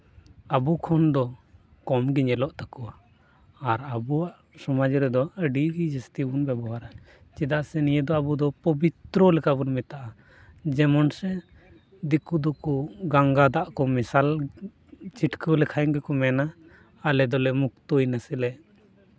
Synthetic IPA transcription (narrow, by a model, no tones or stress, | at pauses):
abukʰɔnd̪ɔ | kɔmɡiɲɛlɔʔt̪akuwaː | ɾəbuaʔ | sɔmad͡ʒɾɛd̪ɔəɖiɡid͡ʒəst̪ibunbɛbɔɦaɾa | t͡ʃid̪aʔsɛnijɛd̪ɔabud̪ɔpɔbit̪ɾɔlɛkabunmɛt̪aʔa | d͡ʒɛmɔnsɛ | d̪ikud̪ɔkɔɡaŋɡad̪aʔkɔmisal | t͡ʃiʈkʰəlɛkʰajŋɡɛkɔmɛnaː | lɛd̪ɔlɛmuk̚t̪ujnasɛlɛʔ